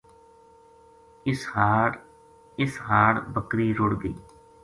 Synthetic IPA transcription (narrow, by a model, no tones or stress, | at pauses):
ɪsa | ɪsɦaːɽbəkɾiɾʊɽɡ̪ḭː